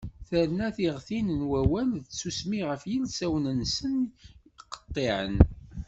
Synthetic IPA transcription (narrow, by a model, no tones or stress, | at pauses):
θəɾnæθiʁθinənwæwænðsusmiʁəfjilsæwnənsənqə̥t̪ˤːeʕə̰n